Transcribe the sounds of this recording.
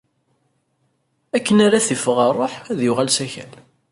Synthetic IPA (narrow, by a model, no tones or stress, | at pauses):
ækːənaɾaθifəʁərˤːoħæðjʊʁælsæçæ̰l